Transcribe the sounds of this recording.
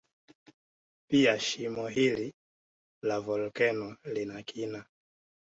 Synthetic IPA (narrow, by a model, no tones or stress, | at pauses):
piaʃimɔɦili | lavɔlkɛnɔlinakʰina